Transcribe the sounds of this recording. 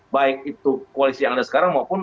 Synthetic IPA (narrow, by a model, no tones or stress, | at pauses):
baɪk̚it̪ukualisijaŋadasə̥kaɾaŋmaupʊn